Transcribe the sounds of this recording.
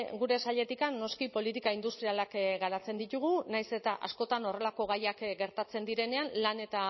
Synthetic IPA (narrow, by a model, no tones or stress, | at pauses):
ɡuɾe̞saʎe̞t̪ikanːo̞skipo̞lit̪̬ikaind̪ust̪ɾialakɡaɾat͡se̞nd̪it̪uɣ̞unajse̞t̪aʔasko̞t̪ano̞re̞lako̞ɣajakɡe̞ɾt̪at͡se̞nd̪iɾe̞ne̞anlane̞t̪a